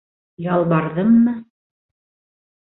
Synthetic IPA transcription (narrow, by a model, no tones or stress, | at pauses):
jɑlˠbɑɾðɤmːɤ